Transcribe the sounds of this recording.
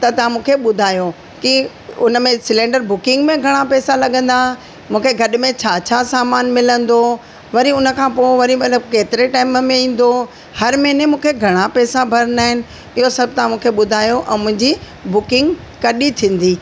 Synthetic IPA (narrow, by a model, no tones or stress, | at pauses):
t̪ɐt̪ɐʋ̤ãmũːkʰeɓʊd̪ʱaːjo | ki | ʊnmẽsɪlẽːɳɖəɾbʊkɪ̃ŋɡmẽɡʱɐɽ̃apɛːsalɐɠə̃nd̪a | mũːkʰeɡʱɐɗmẽt͡ɕʰaːt͡ɕʰasaːmaːnmɪlə̃nd̪o | ʋɐɾiʊnə̆kʰãːpoːʋɐɾimɐt̪ləbkeːt̪ɪɾeʈaːɪmmẽĩːn̆d̪o | hɐɾmeɪnemũːkʰeɡʱɐɽ̃apɛːsabʱɐɾənaːɦɪnɪ̆ | ɪɦosɐb̚ʱt̪ɐãmũːkʰeɓʊd̪ʱaːjoʔɛ̃ːmʊ̃ɦɪ̃ɲd͡ʑi | bʊkɪ̃ŋɡ | kɐɗit̪ʰĩːn̆d̪iː